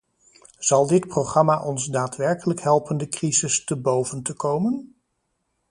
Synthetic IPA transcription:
z̥ɑlˠdɪtprowχrɑmaːʔɔnzdaːtʋɛɹkələkɦɛlˠpəndəkrizɪstəbowvəntəkowmən

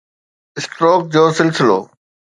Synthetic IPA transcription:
ɪsʈɾoːk̚d͡ʑoːsɪlsɪlo̰ː

